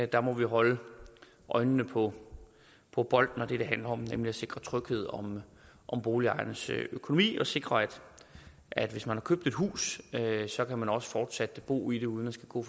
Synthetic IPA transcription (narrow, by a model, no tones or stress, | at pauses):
d̥ɑ̈mɒ̽ʋiɦɒ̽lə | ʔɒ̽ɪnəːəpʰɒ̽ | pʰɒ̽b̥ɒ̽l̰d̥n̩ɒd̥e̝d̥e̝ɦænlɐɒ̽mnemliæse̝ɡ̥ʁɐt͡sʰʁœɡ̥he̝ð̞̰ˠɒ̽m | ʔɒ̽mb̥o̝ːliɑ̈ɪnəsøkʰo̝no̝mḭːɒ̽se̝ɡ̥ʁɐæd̥ | æd̥ʋe̝smænhɑ̈kʰøb̥̚d̥e̝d̥ɦṵːssɒ̽kʰæmænɒ̽sə̥fɒːd̥sæd̥əb̥o̝̰ːid̥e̝uð̞ˠnæsɡ̥æɡ̥ɔ̰ː